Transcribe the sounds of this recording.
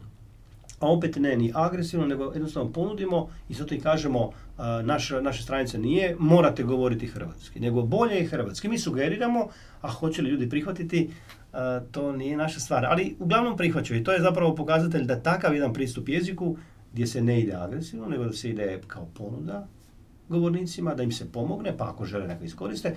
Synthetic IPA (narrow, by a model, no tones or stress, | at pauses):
ao̞pet̪neniʔaɡɾesiʋno̞ne̞ɡo̞jed̪nost̪aʋnopo̞nud̪imo̞izat̪oikaːʒemo̞naʃnaʃest̪ɾanit̪senije̞mo̞ːɾat̪e̞ɡo̞ʋo̞ɾit̪ixər̩ʋa̰t̪skine̞ɡo̞bo̞ʎejexrʋat̪skimiːsuɡe̞ɾiɾamo̞ | axo̞t͡ɕe̞liʎuːd̪ipɾixʋat̪it̪i | t̪o̞ːnije̞naʃast̪ʋaːɾa̰liuɡlˠaʋno̞mpɾixʋat͡ɕejit̪oːje̞zap̬ɾaʋo̞po̞kaːzat̪̬eʎd̪at̪akaʋjed̪anpɾiːst̪upje̞ziku | ɡd̪je̞se̞neid̪ea̰ɡɾesiʋnone̞ɡo̞d̪aseid̪ekaopo̞nud̪a | ɡo̞ʋoɾniːt̪simad̪aimsepo̞mo̞ɡne̞paa̰ko̞ʒe̞lenekoisko̞ɾist̪e